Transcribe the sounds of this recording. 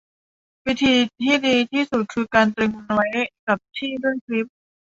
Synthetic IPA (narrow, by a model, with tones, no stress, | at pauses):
wi˦˥t̪ʰiː˧t̪ʰiː˥˩diː˧t̪ʰiː˥˩su˨˩t̪̚kʰɯː˧kaː˧nt̪ɾi˧ŋu˧n˧wa˦˥jka˨˩p̚t̪ʰiː˥˩du˥˩əŋkʰli˦˥p̚